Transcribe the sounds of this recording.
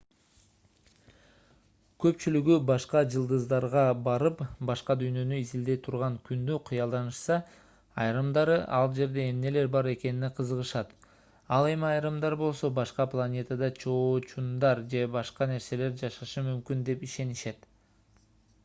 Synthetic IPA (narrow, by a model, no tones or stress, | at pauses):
kʰø̞pt͡ʃylyɡybɑʃqɑd͡ʒɯlˠd̪ɯzd̪ɑɾʁɑbɑɾɯpbɑʃqɑd̪yjnø̞nyizild̪e̞jt̪ʰuɾʁɑŋkynd̪yqʰɯjɑlˠd̪ɑnɯʃsɑ | ɑjɾɯmd̪ɑɾɯʔɑlˠd͡ʒe̞ɾd̪e̞ːmne̞le̞ɾbɑɾe̞ke̞nineqʰɯzɯʁɯʃɑt̪ | ɑlˠe̞miɑjɾɯmd̪ɑɾbo̞lˠso̞bɑʃqɑplˠanʲe̞t̪əd̪ɑt͡ʃʰo̞ːt͡ʃund̪ɑɾd͡ʒe̞bɑʃqɑne̞ɾse̞le̞ɾd͡ʒɑʃɑʃɯmymkynd̪e̞piʃe̞niʃe̞t̪